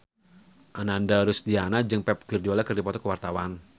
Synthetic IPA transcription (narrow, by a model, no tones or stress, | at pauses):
ʔanandaɾʊsd̪ianad͡ʒɨŋpɛp̚ɡ̥ɨrdiɔlakərdipɔt̪ɔkəwart̪awan